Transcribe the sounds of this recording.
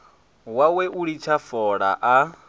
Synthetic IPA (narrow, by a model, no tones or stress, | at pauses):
wawɛʔuɺit͡ʃʰafɔɺa̰ʔa